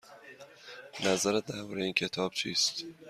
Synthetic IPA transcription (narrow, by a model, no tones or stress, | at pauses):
næzæɾæt̪̚d̪æɾbɒːɾejiːncʰet̪ʰɒːb̥̚t͡ʃʰiːst̪